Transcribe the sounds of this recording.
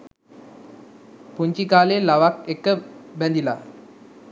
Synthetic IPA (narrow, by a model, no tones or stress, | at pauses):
puɲt͡ʃikaːlelaʋakekəbɛnd̪ila̰ː